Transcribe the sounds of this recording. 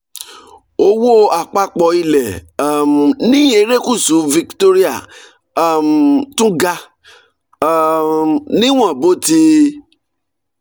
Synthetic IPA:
o˧wo˦a˨k͡pa˧k͡pɔ˧˦i˧lɛ˨˦˨m˨nĩ˦e˧˦ɾe˦ku˦˨sũ˨˦vi˧kto˦ɾi˦a˦˨ | m̩˨tũ˦ɡa˧˦˨ | nĩ˦w̃ɔ̃˦˨bo˦ti˦˧˦

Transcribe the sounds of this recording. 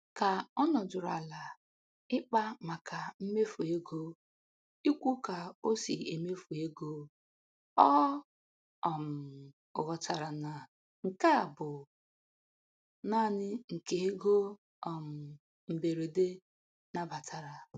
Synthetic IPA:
ka˨ɔ˦nɔ˨dʊ˨ɾa̰˨la˨ | ɪ˦k͡pa˦ma˨ka˨m̩˦me˦fu˨e˦ɡo˦ | i˦kʷu˦ka˨o˦si˨e˨me˦fu˨e˦ɡo˦ | ɔ˦ | ɔ˨m̩˨ | ʊ̰˨ɣɔ˦ta˨ɾa˨na˨ | ŋ̩˨ka˦a˨bʊ˨ | na˦˨nɪ˦ŋ̩˨ke˨e˦ɡo˦ | ɔ˨m̩˨ | m̩˨be˨ɾe˨de˦ | na˦ba˨tʰa˨ɾa˨

